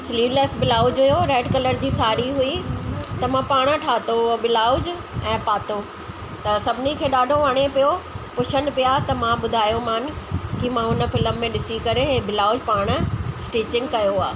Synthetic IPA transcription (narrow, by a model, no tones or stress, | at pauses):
sliːʋleːsbɪlaːʊd͡ʑɦʊjoɾɛːɖkɐləɾd͡ʑiːsaːɾiɦuit̪ɐmãpaːɽ̃ʈʰaːt̪obɪlaːʊd͡ʑ | ɛ̃ːpaːt̪o | t̪ɐsɐbʱɪnikʰeːɗaːɖʱoʋɐɽ̃epijopʊʃʰən̆pijat̪ɐmãɓʊd̪ʱaːjomaːn̆kimãʊnə̆fɪləmːẽɗɪsikɐɾebɪlaːʊd͡ʑpaːɽ̃sʈeːt͡ɕɪ̃ŋɡkɐjoaː